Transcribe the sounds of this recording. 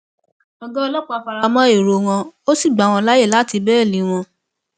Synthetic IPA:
ɔ˧ɡɔ˦˧lɔ˦k͡pa˦˧a˧˨fa˧ɾa˧mɔ̃˦e˦˨ɾo˧wɔ̃˧o˦si˦˨ɡ͡ba˨˦w̃ɔ̃˧la˦je˦˨la˨˦ti˧bɛː˦˨lĩ˨˦w̃ɔ̃˧

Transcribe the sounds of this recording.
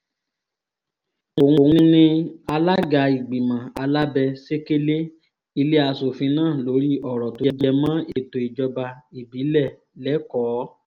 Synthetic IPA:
o˨hũ˨hĩ˦nĩ˧a˧la˦ɡa˨i˨ɡ͡bi˨mã˨a˧la˦bɛ˧se˦ke˦le˦ | i˧le˦a˧so˨fĩ˧˦nãː˦˨lo˨˦ɾi˦ʔɔ˦˨ɾɔ˨to˨˧d͡ʒɛ˧mã˦e˦˨to˨i˨d͡ʒɔ˧ba˧i˨bi˨˦lɛ˦˨ | lɛ˨˦kɔː˨˦

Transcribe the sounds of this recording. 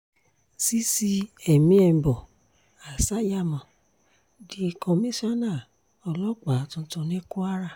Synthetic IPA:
si˦si˦ɛ˨mĩ˦ɛ˧m˨bɔ˨ | a˨sa˦ja˦˨mɔ̃˨ | di˧˦˧kɔ̃˧mĩ˦sa˦na˦˨ | ɔ˧lɔ˦k͡pa˨tũ˧˦tũ˧nẽ˦ku˦a˦ɾa˦˨

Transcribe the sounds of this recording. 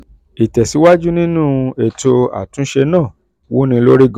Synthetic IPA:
i˨tɛ˨si˨˦wa˦d͡ʒu˦nĩ˦nũː˦e˨to˧a̰˨tũ˨˦ʃe˧nãː˦˨ | wo˦nĩ˧lo˦ɾe˦ɡ

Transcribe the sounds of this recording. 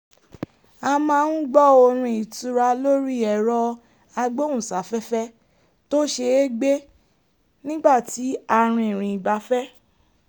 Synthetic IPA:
a˧mã˧˦˧nũ˦ɡ͡bɔ˦˨o˧ɾ̃ũ˧i˨tu˧ɾa˧lo˦ɾi˦˨ɛ˨ɾɔ˧ | a˧ɡ͡bo˦ũ˦˨sa˨˦fɛ˦fɛ˦ | to˦ʃe˧e˦ɡ͡be˦ | nĩ˦ɡ͡ba˦˨ti˨˦a˧ɾ̃ũ˧i˨ɾ̃ĩ˨i˨ɡ͡ba˨˧fɛ˦

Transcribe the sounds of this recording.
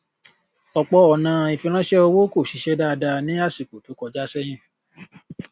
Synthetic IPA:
ɔ˨k͡pɔ˧ɔ˨nã˨˧i˨fĩ˧ɾ̃ã˦ʃɛ˦o˧wo˦ko˦˨ʃi˨˦ʃɛ˦da˦˧da˧nĩ˦a˦˨si˨ko˨to˨˦kɔ˧d͡ʒa˦sɛ˦j̃ĩ˦˨

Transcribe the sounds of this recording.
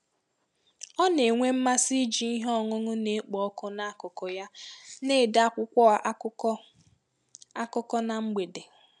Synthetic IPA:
ɔ˦ne˨ŋʷe˦m̩˦ma˦si˦d͡ʒi˨i˦ɦɔ˦ŋʊ˦ŋʊ˦ne˨˦k͡pɔ˨ɔ˦kʊ˦na˦kʊ˨kɔ˨ja˦ne˦˨da˦kʷʊ˦kʷɔ˦a˨ʔʊ˦ | a˦kʊ˦kɔ˦na˨ŋ͡m̩˦ɡ͡be˨de˨

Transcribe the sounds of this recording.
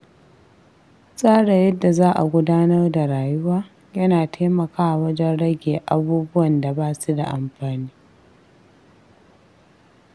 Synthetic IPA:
sʼaː˦ɽa˨jɐ˦dːa˨zaː˦ʔa˨ɡʷʊ˦daː˦nɐ˦rda˨ɽaː˨jʊ˦waː˦ | jɐ˦naː˨tʰeː˦mɐ˨kaː˦ʔa˨wɐ˦d͡ʒɛ˦nɽɐ˦ɡʲeː˨ʔa˦buː˦bʊ˦wɐ˨nda˨baː˦su˦da˨ʔa˨mɸaː˨niː˦

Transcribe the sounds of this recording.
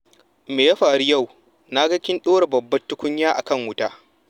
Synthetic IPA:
meː˨ja˦ɸaː˨ɽi˦jɐ˦˨w | na˦ɡɐ˦kʲɪ˦nɗoː˦ɽe˨bɐ˨bːɐ˦tːʊ˦kʷʊ˦ɲjaː˦ʔa̰˨kɐ˦˨ŋwʊ˦taː˦

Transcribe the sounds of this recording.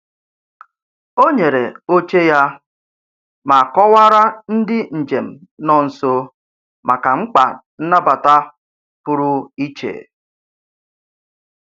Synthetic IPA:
o˦ɲe˨ɾe˨o˦t͡ʃe˦ja˦ | ma˨kɔ˦wa˦ɾa˦n̩˦dɪ˦n̩˨d͡ʒe˨m̩˨nɔ˨n̩˨so˦ | mʔa˨ka˨ŋ͡m̩˦k͡pa̰˨n̩˦na˦ba˨ta˦ | pʊ˦ɾʊ˦i˦t͡ʃḛ˨

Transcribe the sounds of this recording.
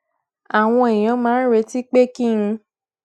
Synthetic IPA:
a˨w̃ɔ̃˧e˨j̃ɔ̃˨˧mãː˨˦ɾe˨˧˦ti˦k͡pe˦kĩ˦˧

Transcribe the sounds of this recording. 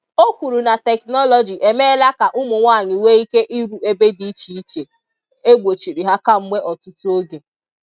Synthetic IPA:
o˦kʷu˨ɾu˨na˨tɛ˨knɔ˦lɔ˨d͡ʒi˨ʔe˨me˦la˦ka˨ʔʊ˦mʊ˨ŋʷa˦˨ɲɪ˨we˦i˦ke˦ʔi˦ɾu˨e˦be˦di˦t͡ʃi˨i˦t͡ʃe˨ | e˦ɡʷo˨t͡ʃi˨ɾi˨ɦa˦ka˦m̩˦mʷe˦ʔɔ˨tʊ˦tʊ˦o˦ɡe˨

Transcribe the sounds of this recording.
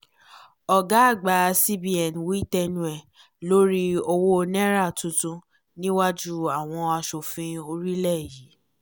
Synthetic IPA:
ɔ˨ɡa˦a˦˨ɡ͡ba˨˦˧si˦bi˦ɛ˨nwi˦i˦tɛ˧nũ˧ɛ˨ | lo˦ɾi˦o˧wo˦˧nɛ̃˦ɾa˦˨tũ˨˧tũ˧ | nĩ˦wa˦d͡ʒu˦a˨w̃ɔ̃˧a˧ʃo˨fĩ˧o˧ɾi˦lɛ˦˨ji˨˦

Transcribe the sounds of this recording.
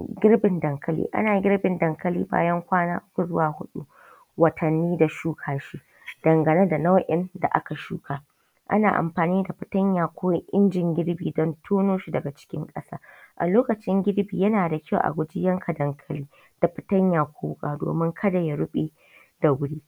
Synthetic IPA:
ɡʲɪ˦ɾbɪ˨ndɐ˨ŋkɐ˦lḭː˦ʔa̰˦naː˨ɡʲɪ˦ɾbɪ˨ndɐ˨ŋkɐ˦liː˦ba̰ː˦jɐ˦ŋkʷaː˦na̰ː˦ʔʊ˦kʷu˨zʊ˦waː˨hʊ˦ɗṵ˦ | wɐ˨tʰɐ˨nːiː˦da˨ʃuː˦kʰaː˨ʃi˦ | d̥ɐ˨ŋɡɐ˨ne˦da˨na˦wʔɪ˦nda̰˨ʔa̰˦ka˨ʃuː˦kʰaː˦ | ʔa̰˦naː˨ʔa̰˨mɸaː˨niː˦da˨ɸɪ˨tɐ˦ɲjaː˨kʷʰoː˦ʔɪ˦nd͡ʒɪ˨ŋɡʲɪ˦ɽbiː˨dɔ˦ntʰoː˦noː˦ʃi˨dɐ˨ɡa˨t͡ʃɪ̥˦kʲɪ̰˦ŋkʼɐ˦saː˦ʔa̰˨loː˦kɐ˨t͡ʃɪ˦ŋɡʲɪ˦ɽbiː˨jɐ˦naː˨da˨kʲʰɐ˦wʔa̰˨ɡʷʊ˦d͡ʒɪ˦jɐ˦ŋkʰa˨dɐ˨ŋkʰɐ˦liː˦ | d̥a˨ɸɪ̥˦tɐ˦ɲjaː˨kʷoː˦wʊ˦kʼaː˨do̰ː˨mɪ˦ŋkʰɐ˦da˨ja˨ɽʊ˦ɓʼiː˦ | da˨ɡʷʊ˦ɽiː˦

